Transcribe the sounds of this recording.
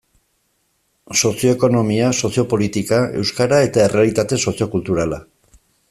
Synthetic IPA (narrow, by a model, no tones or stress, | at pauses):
so̞sio̞eko̞no̞miaso̞sjo̞po̞lit̪ikae̞̰wskaɾae̞t̪ae̞re̞alit̪at̪e̞so̞sio̞kult̪uɾala